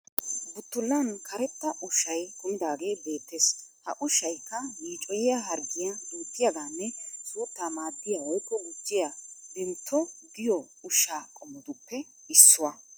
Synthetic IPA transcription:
bʊt̪ːʊlːɐnkʰɐɾɛt̪ːɐʔʊʃɐjkʊmɪd̪aːɡe̞ːbe̞ːt̪ːeːshɐ̰ʔʊʃɐjkːɐmiːt͡ʃʼɔjɪjaɦɐɾɡɪjɐɪnt̪ːɪjɐɡ̪aːnːɛsʼuːt̪ːaːmaːd̪ːɪjawɔjkːɔɡʊd͡ʒːɪjad̪ɪnt̪ʰːɔd̪ɪjɔ | ʊʃaːkʼɔmːʊd̪ʊpːɛ | ɪsːʊwɐ

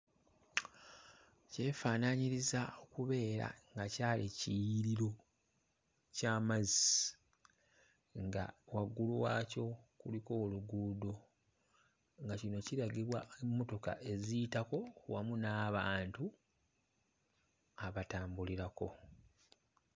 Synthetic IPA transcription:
ce̞ːfaːnaɲiɾizao̞kuβe̞ːɾa̰ŋɡacaːlicijiɾiɾo̞ | caːmazi | ŋɡa̰waɡːuluwaːco̞kuliko̞ːluɡuːdo̞ | ŋɡacino̞ciɾaɡiβwaemːo̞to̞ka̰ʔe̞zijitako̞wamunaːβaːntu | aβataːmbuliɾako̞̰

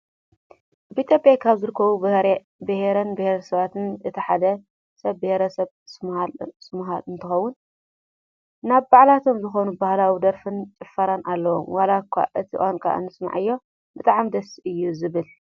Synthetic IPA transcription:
ʔaβit̪ʰjopʼjakʰaβzɨɾɨkʰːɐβubɐhɾe | bɨheɾɐnbɨheɾɐsɐβat̪ʰɨnɨt̪ʰiħad̪ɐ | sɐβbɨheɾɐsɐβ | sɨmhalsɨmɦalɨnt̪ʰɨxɐwːʊn | naβːaʕlat̪ʰo̞mzɨxo̞nubahlawid̪ɐɾfɨnt͡ʃʼɨfːɐɾanʔalːɐwo̰mwalakʰːa̰ʔɨt̪ʰiʔankʰʼa̰ʔnɨsma̰ʕɨjːo̞ | bɨt̪ʼaʕamd̪ɐsiʔɨjːuzɨβɨl

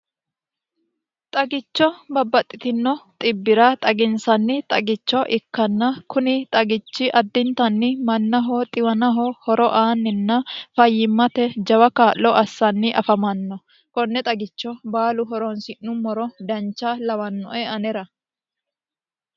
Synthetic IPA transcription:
t̪ʼɐɡɪt͡ʃːɔbɐbːɐt̪ʼːɪt̪ɪnːɔt̪ʼɪbːɪɾɐt̪ʼɐɡɪnsɐnːɪt̪ʼɐɡɪt͡ʃːɔʔɪkːɐnːɐkʊnɪt̪ʼɐɡɪt͡ʃːɪʔɐd̪ːɪnt̪ɐnːɪmɐnːɐɦɔt̪ʼɪwɐnɐɦɔhɔɾɔʔaːnːɪnːɐfɐjːɪmːɐt̪ɛd͡ʒɐwɐkaːʔːɔʔɐsːɐnːɪʔɐfɐmɐnːɔ | kɔnːɛt̪ʼɐɡɪt͡ʃːɔbaːlʊɦɔɾɔnsɪnːʊmɔɾɔd̪ɐnt͡ʃːalɐwɐnːɔʔɛɐnɛɾɐ

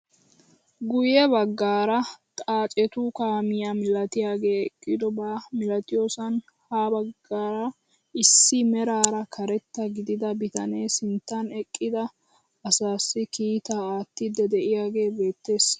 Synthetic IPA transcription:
ɡʊjɛbɐɡːaːɾɐt̪ʼaːt͡ʃʼɛt̪ukaːmɪjamɪlɐt̪ɪjaːɡe̞ːɛkʼːɪd̪ɔbamɪlɐt̪ɪjo̞ːsɐn | haːbɐɡːaːɾɐ | ɪsːɪmɛɾaːɾɐkʰɐɾɛt̪ːɐɡɪd̪ɪd̪ɐbɪt̪ɐneːsɪnt̪ːɐnɛkʼːɪd̪ɐ | ɐsaːsːɪkiːt̪aːaːt̪ːɪd̪ːɛd̪ɛʔɪjaːɡe̞ːbe̞ːt̪ːe̞ːs

